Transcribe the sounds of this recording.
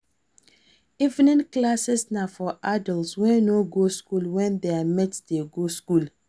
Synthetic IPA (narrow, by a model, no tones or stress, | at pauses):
ivnĩnklasɛsnafɔʔadɔlswɛ̃noɡoskulwɛ̃ndeamɛtdeɡoskul